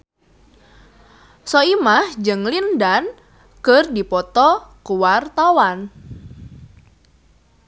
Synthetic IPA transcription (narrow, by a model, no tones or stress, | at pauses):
sɔimahd͡ʒəŋlindan | kərdipɔt̪ɔkuwart̪awan